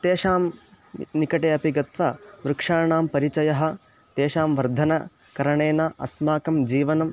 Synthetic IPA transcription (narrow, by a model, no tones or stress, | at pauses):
t̪eːʂaːm | nikɐʈeːɐpiɡɐt̪ʋɐʋɾukʂaːɳaːmpɐɾit͡ʃɐjɐɦɐ̆ | t̪eːʃaːmʋɐɾd̪ʱɐnɐ | kɐɾɐɳeːnaːʔɐ̰smaːkɐmd͡ʒiːʋɐnɐm